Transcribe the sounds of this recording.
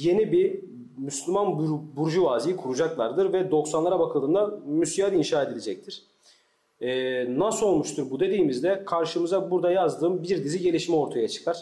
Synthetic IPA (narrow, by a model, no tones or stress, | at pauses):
je̞nibi | myslʲymanbbuɾd͡ʒuvaːzijikʰuɾud͡ʒaklˠa̰ɾd̪ɯɾvɛd̪o̞ksanlˠaɾabakʰɯlˠɯːnd̪amysijad̪inʃaːe̞d̪ilʲed͡ʒɛc̚t̪ʰiɾ̥ | ɛːnasolˠmuʃt̪ʰuɾbud̪e̞d̪iːmizd̪ɛkʰaɾʃɯmɯzabuɾd̪ajazd̪ɯːmbiɾd̪iziɟe̞lʲiʃmɛo̞ɾt̪ʰajat͡ʃʰɯ̥kʰaɾ̥